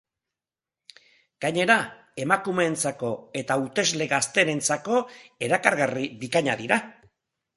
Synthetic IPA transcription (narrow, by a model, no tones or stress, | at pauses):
ɡ̥aɲe̞ɾa | e̞makume̞nt͡sako̞e̞t̪aut̪e̞zle̞ɣast̪e̞ne̞nt͡sako̞e̞ɾakaɾɣariβikaɲaðiɾa